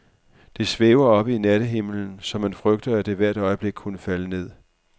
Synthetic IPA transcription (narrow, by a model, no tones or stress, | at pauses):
d̥e̝sʋeːʊɐɒ̽b̥əinæɾ̥əɦe̝ml̩n̩sɒ̽mænfʁœɡ̥d̥ɐæd̥e̝ʋæɐ̰d̥ɒ̽ɪəb̥le̝ɡ̥̚kʰunəfæləne̝ð̰ˠ